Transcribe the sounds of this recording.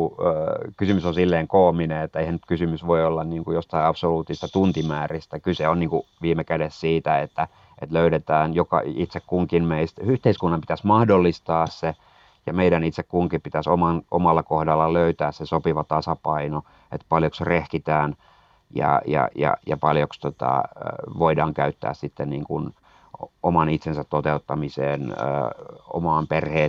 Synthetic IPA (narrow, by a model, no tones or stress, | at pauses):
kysymysõnsilːeːŋkoːmineet̪ːæeihænyt̪kysymysʋoiolːɑnniːŋkujost̪ɑiɑpsoluːt̪ːˑisist̪æt̪unt̪imæːrist̪ækyseonniːŋkuʋiːmekædessiːt̪æet̪ːæ | ʔḛt̪løyɾet̪æːnjokɑ̰it̪sekkuŋkinmeist̪yht̪eiskunːɑmpit̪æsmɑhdolːist̪ɑːsse | jɑmeidænit̪sekkuŋkipit̪æsomɑnʔomɑlːɑkohdɑlːɑløyt̪æːssesopiʋɑt̪ɑsɑpɑino | ḛt̪pɑljoksrehkit̪æːn | jɑ̰jɑ̰jɑ̰jɑ̰pɑljokst̪ot̪ɑ̰ʋoidɑːŋkæyt̪ːæ̰ːssit̪ːenniːŋkun | omɑnit̪sensæt̪t̪ot̪eut̪ːɑmisḛːnə̰ːo̰mɑːmperheː